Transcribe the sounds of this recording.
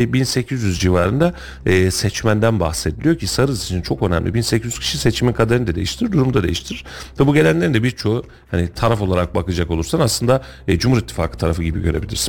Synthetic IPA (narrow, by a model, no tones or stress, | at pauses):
binse̞cʰizjyzd͡ʒivaːɾɯnd̪aː | sɛt͡ʃmænd̪ænba̰xsed̪ilʲijo̞cʰisaɾɯziit͡ʃʰint͡ʃʰo̞kønæ̰mlʲibinsecizyz̥cʰi̥ʃiset͡ʃʰiminkʰad̪aɾɯnd̪ad̪ejiʃt̪ʰiɾiɾd̪uɾumd̪ad̪e̞jiʃt̪ʰiɾiɾ̥vɛbuɟe̞lʲænlʲeɾind̪ɛbiɾt͡ʃʰo̞u | hanit̪ʰaɾafo̞lˠaɾak̚bakɯd͡ʒako̞lˠuɾsanaslˠɯnd̪a | d͡ʒumhuɾit̪ʰːi̥faːkʰɯ̥t̪ʰaɾafɯɟibḭɟø̞ɾe̞bilʲḭɾsi̥n